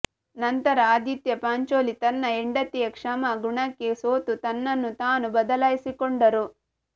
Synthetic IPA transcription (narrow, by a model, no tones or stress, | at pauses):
nɐnt̪ɐɾɐaːd̪it̪jɐpaːɲt͡ʃoːlit̪ɐnːɐeɳɖɐt̪ːijɐkʂɐmɐɡuɳɐkːesoːt̪ut̪ɐnːɐnːut̪aːnubɐd̪ɐlaːjisikoɳɖɐɾu